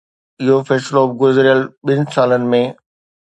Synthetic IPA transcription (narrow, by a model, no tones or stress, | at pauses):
ɪɦofɛːsloːfɡʊzɾijəlɓɪnɪ̆saːlənɪ̆mẽ